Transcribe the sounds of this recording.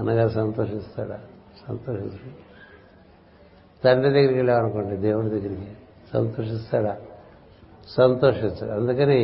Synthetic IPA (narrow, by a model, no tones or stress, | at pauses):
ɐnɐɡaːɾɐsɐnt̪oːʂist̪a̰ːɽa̰ | sɐnt̪oːʂisɐ | t̪ɐnːed̪ɐɡɐɾikileːɐnukoɳɖid̪eːwuɽud̪ɐɡːɐɾiki | sɐ̰nt̪oːʂist̪aːɽa | sɐnt̪oːʂist̪a̰ːɽɐnd̪ukɐne